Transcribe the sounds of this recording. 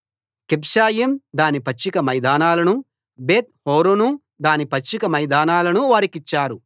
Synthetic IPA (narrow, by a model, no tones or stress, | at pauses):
kipʂaːjɐmd̪aːnipɐt͡ʃːikɐmɐjd̪aːnaːlɐnu | beːt̪̚hoːɾonu | d̪aːnipɐt͡ʃt͡ʃːikɐmɐjd̪aːnaːlɐnuʋaːɾikit͡ʃːaːɾu